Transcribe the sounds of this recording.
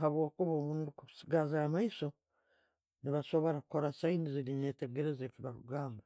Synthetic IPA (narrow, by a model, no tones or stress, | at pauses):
ɦaβwo̞ːkuβoːβuːndukusiɡazamaiso̞ | niβaso̞βo̞ɾakuko̞ɾasainiziɾine̞ːte̞ɡe̞ɾe̞zefiβaɾṵɡaːmba